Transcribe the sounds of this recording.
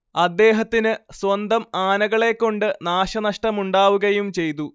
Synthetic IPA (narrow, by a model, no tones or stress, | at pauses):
ɐd̪ːe̞ːɦɐt̪ːinɨswɐnd̪ɐmaːnɐɣɐɭe̞kːo̞ɳɖɨnaːɕɐnɐʂʈɐmuɳɖaːʋuɣɐjumt͡ɕe̞jt̪u